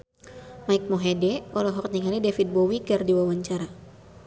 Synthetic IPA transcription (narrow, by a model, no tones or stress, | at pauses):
maik̚mɔɦɛdɛɔlɔɦɔk̚t̪nɲiŋalidɛfit̪̚bɔwikɨrdiwawaɲt͡ʃaɾa